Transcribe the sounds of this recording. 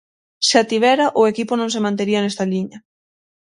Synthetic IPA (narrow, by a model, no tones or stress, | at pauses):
seat̪iβɛɾaʔʊekipʊnõŋs̬emãnt̪eɾiɐnɛst̪ɐliɲɐ